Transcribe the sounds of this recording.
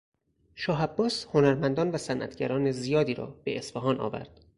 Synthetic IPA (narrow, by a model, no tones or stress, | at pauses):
ʃɒːɦæbːɒːsho̞næɾmænd̪ɒːnvæsænʔæ̰t̪ʰɟæɾɒːnezijɒːd̪iːɾɒ̰ːb̥e̞̰ʔesfæɦɒːnʔɒ̰ːvæ̰ɾd̪̥